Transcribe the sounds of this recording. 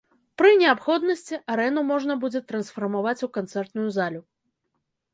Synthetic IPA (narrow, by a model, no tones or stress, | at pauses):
pɾɨnʲɛapxɔd̪nɐsʲt͡sʲiʔaɾɛnumɔʐnɐbud͡zʲɛt̪ɾɐnsfɐrmavat͡sʲukant̪sɛrt̪nujuzalʲu